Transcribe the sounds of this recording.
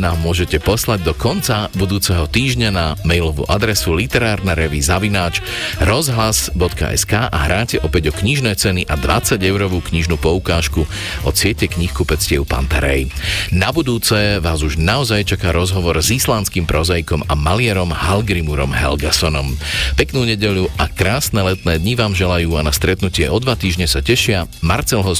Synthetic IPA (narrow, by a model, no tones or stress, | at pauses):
naːmːʊɔʒɛcɛpɔslaɟ̚d̪ɔkɔnt͡sabud̪uːt͡sɛɦɔt̪iːʒɲanamɛjlɔʋṵːʔad̪ɾɛsulit̪ɛɾaːɾnaɾɛʋizaʋinaːt͡ʃ | ɾɔzɦlasbɔt̪ka̰ʔɛ̰skaːʔa̰ɦɾaːcɛʔɔpɛɟɔkɲiʒnɛːt͡sɛniʔad̪ʋa̰t͡saɟɛʊɾɔʋuːkɲiʒnuːpɔukaːʃku | ʔɔt͡sɪɛcɛkɲixkupɛt͡scɪɛʊpa̰nt̪aɾɛ̰jnabud̪uːt͡sɛʋaːzuʒnaɔzajt͡ʃakaːɾɔzɦɔʋɔɾzislanskiːmpɾɔzajkɔmamalɪɛɾɔmhalɡɾimuɾɔmɦɛ̰lɡasɔnɔmpɛknuːɲɛɟɛʎuʔakɾaːsnɛlɛt̪nɛːd̪ɲiʋaːmʒɛlajuːanast̪ɾɛt̪nucɪɛɔd̪ʋat̪iːʒɲɛsacɛʃɪamaɾt͡sɛlɦɔ